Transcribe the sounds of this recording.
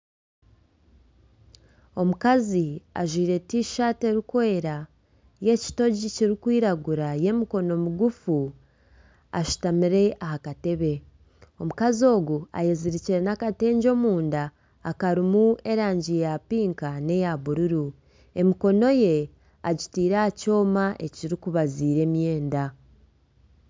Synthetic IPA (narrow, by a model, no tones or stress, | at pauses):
o̞mukazia̰ʒwiːɾe̞tiːʃate̞ɾikwe̞ːɾa | je̞ci̥to̞ɟiciɾikwiːɾaɡuɾaje̞miko̞no̞muɡufu | a̰ʃu̥tamiɾe̞ʔaɦakate̞βe̞ | o̞mukazo̞ːɡua̰jeziɾiciɾe̞nakate̞ːɲɟo̞ːmuːndaː | kaɾimue̞ɾaːɲɟijapiːŋkane̞jaβuɾuɾu | e̞miko̞no̞je̞ | aɟitiːɾaːco̞ːmaʔe̞ciɾikuβaziːɾe̞mje̞ːnda